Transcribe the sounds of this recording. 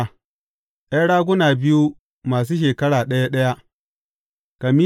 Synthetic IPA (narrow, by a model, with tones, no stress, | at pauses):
ʔa˦ɽaː˦ɡ̬ʷʊ˦naː˨bɪ˦ju˦ | maː˨s̬uː˦ʃ̬eː˨kɐ˦ɽaː˨ɗɐ˦ja˦ɗɐ˦ja˦ | ka˨mi˦